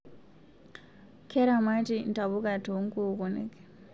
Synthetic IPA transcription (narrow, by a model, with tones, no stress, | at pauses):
kʰɛ˦ɾamatin˨ta˨bu˦ka˨toŋ˦kukɔ˨nḛk